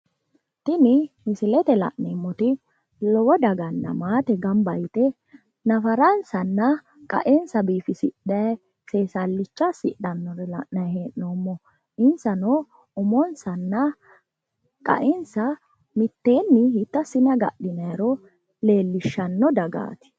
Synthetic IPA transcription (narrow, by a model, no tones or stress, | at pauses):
t̪ɪnɪmɪsɪlɛt̪ɛlɐ̰ʔneːmːɔt̪ɪ | lɔwɔd̪ɐɡɐnːɐ̰maːt̪ɛɡɐmbɐjt̪ɛ | nɐfɐɾɐnsɐnːɐ | kʼɐ̰ʔɛnsɐbiːfɪsɪɗɐ | seːsɐlːɪt͡ʃːɐsɪɗɐnːɔɾɛlɐ̰ʔnɐjheːʔnoːmːɔ | ɪnsɐno | ɔmɔnsɐnːɐ | kʼɐ̰ʔɛnsɐ | mɪt̪ːe̞ːnːɪɦɪt̪ːɐsɪnɐɡɐ̰ɗɪnɐjɾɔ | le̞ːlːɪʃːɐnːɔd̪ɐɡa̰ːt̪ɪ̥